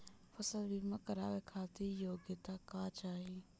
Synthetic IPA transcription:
fəsəlbimakəɾaːʋekʰaːt̪ijoːɡət̪aːkaːt͡ʃaːɦi

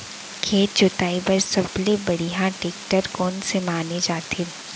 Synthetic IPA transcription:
kʰeːt̚t͡ʃʊt̪aːibɐɾsɐblebɐɽiɦãʈeːk̚ʈəɾkɔːnsemaːned͡ʒaːt̪ʰe

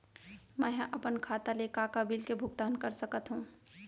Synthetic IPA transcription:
mə̃ɦʔəpənkʰat̪alekakabilkebʱʊɡ̚t̪aːnkəɾsəkət̪ɦũ

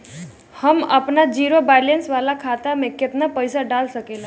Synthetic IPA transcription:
həmə̰pnad͡ʒiːɾobalensʋalakʰat̪amẽkɪt̪napəjsaɖalsəkela

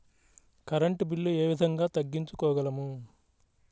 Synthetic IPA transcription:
kɐɾɐɳʈbiɭːueːʋid̪ʱɐŋɡaːt̪ɐɡːiɲt͡ʃukɔːɡɐlɐmu

